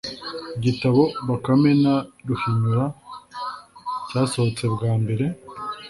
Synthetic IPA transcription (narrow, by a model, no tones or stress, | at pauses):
ɟitaβo̞βakame̞naduhiɲuɾa | caːsohot͡se̞bɡaːmbe̞ɾe̞